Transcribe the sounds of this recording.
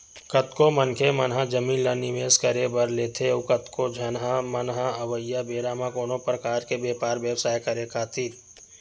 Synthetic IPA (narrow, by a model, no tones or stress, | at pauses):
kət̪komənkʰemənɦãd͡ʒəmiːnlanɪʋeːskəɾebəɾleːt̪ʰekət̪kod͡ʒʱɐnɦãmənɦãɐʋəjjabeːɾaːmãkoːnõpɾəkaːɾkebeːpaːɾʋjəwsaːjkəɾekaːt̪ʰiːt̪